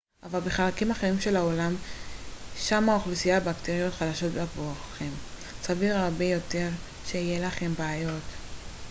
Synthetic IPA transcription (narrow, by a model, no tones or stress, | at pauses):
ʔavalbe̞χalakimaχeʁimʃe̞lao̞lam | ʃamaoχlusijabakt̪eʁijo̞t̪χad̪aʃo̞tbeavoaχe̞m | saviʁaʁbe̞jo̞te̞ʁ | ʃe̞ijelaχe̞mbaajo̞t